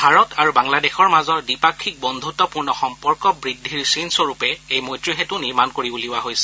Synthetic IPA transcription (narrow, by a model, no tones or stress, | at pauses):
bʱaɹɔtaɹubaŋladɛxɔɹmazɔɹdipakʰːik̚bɔnd̪ʱutɔpuɹnɔxɔmpɔɹkɔbɹidʱːiɹsinsoɹupɛejmojtɹiɦetuniɹmankoɹibuliwaɦojsɛ̥